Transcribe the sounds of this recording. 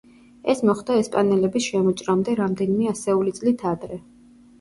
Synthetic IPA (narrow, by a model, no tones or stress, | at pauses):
ɛsmɔχd̪aɛspʼanɛlɛbisʃɛmɔt͡ʃʼɾamd̪ɛɾamd̪ɛnimɛasɛulit̪sʼlit̪ʰad̪ɾɛ